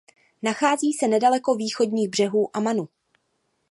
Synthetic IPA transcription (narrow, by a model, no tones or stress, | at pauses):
naxaːziːsɛnɛdalɛko̞viːxo̞dɲiːɣbr̝ɛɦuːʔamanu